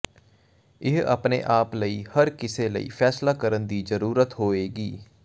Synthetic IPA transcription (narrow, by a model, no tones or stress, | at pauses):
ɪɦə̰pnḛːʔaːpləiːhəɾkɪseːlə̰ḭːfʰɛːslaːkəɾənd̪iːzəɾuːɾət̪ɦoːeːɡiː